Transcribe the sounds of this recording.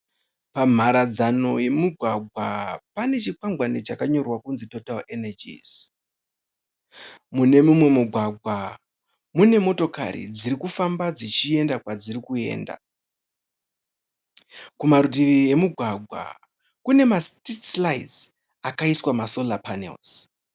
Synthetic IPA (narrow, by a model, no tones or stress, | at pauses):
pam̤ʱaɾad͡zano̞je̞muɡʱwaɡʱwapane̞t͡ʃikwaŋɡwanet͡ʃakaɲo̞rwakunzito̞talenad͡ʒḭz̥ | mune̞mumwe̞muɡʱwaɡʱwa | mune̞mo̞to̞ka̰ɾḭd͡ziɾikufambad͡zit͡ʃie̞ndakwad͡ziɾikue̞̰ːnda̰ | kumaɾutie̞muɡʱwaɡʱwa̰ | kune̞mastitslaiz | akaiswamaso̞lapanḛlz̥